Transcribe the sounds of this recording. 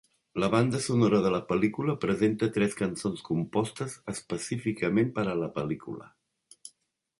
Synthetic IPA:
ləβ̞and̪əsunoɾəðələpəlikuləpɾəzent̪ət̪ɾɛskənsonskumpɔst̪əzəspəsifikəmempəɾələpəlikṵlə̰

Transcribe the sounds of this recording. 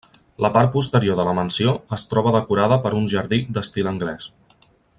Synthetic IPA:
ləpaɾt̪̚pust̪əɾioðələmənsioəst̪ɾɔβ̞əðəkuɾaðəpəɾunʲʒəɾðid̪əst̪iləŋɡlɛs

